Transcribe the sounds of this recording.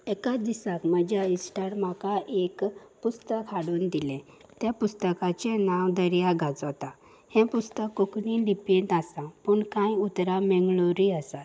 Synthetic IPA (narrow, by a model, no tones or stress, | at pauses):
ekad̪isakməd͡ʑjaisʈaɾmakaʔekpust̪əkʰːaɽuːnd̪ilẽ | t̪ɛpust̪əkat͡ɕenawd̪əɾjaɡʱat͡st̪a | hɛ̃pust̪əkːokɳiɖipeʈasãpuːɳkãjut̪ɾamɛŋɡɭoɾiəsa